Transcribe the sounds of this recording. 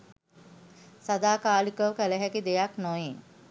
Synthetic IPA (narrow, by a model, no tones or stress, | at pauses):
sad̪aːkaːlikəʋkæləɦɛkid̪ejaknoje